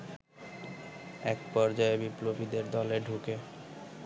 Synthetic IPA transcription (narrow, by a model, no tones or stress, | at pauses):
ɛkpɔɾd͡ʑɔebiplobid̪eɾd̪ɔleɖʱuke